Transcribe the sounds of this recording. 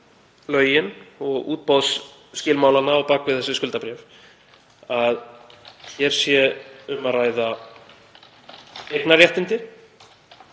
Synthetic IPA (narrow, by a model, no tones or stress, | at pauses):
lœːɥjɪnɔɣṵːt̪̚pawðsː | cɪːlmaːwlanːaɔwpaːkvɪθɛsːɪskʏlt̪apɾɛːf | aðçɛɾ̥sjɛʏmaðraːjða | ɛknaɾjɛht̪ɪnt̪ɪ